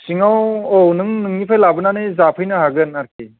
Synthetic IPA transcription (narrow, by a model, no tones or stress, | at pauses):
siŋawownɯŋnɯŋnipʰajlabɯnanɯjzapʰɯjnɯɦaɡɯnaɾkʰi